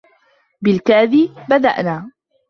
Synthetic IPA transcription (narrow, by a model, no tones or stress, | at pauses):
bɪlkaːðibad̪a̰ʔnaː